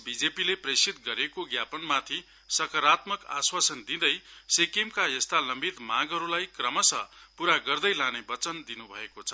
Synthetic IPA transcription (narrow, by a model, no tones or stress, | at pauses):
bid͡zepilepresit̪̚ɡʌɾekoɡjapʌnmat̪ʰi | sʌkʌɾat̪mʌka̰swasʌnd̪ĩd̪ʌjsekemkajʌst̪alʌmbit̪mãɡɦʌɾulajkrʌmʌsʌ̰puɾaɡʌrd̪ʌjlanebʌt͡sʌnd̪inubʱʌ̰ekot͡sʰʌ̥